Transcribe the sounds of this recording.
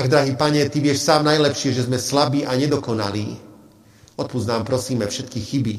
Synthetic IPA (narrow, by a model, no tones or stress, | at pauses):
aɡd̪ɾaɦiːpaɲɛt̪iʋɪɛʃsaːmnajlɛpʃɪɛʒɛzmɛslabiːʔaɲɛd̪ɔkɔna̰liː | ɔt̪̚pud͡z̪naːmpɾɔsiːmɛfʃɛt̪̚kixibi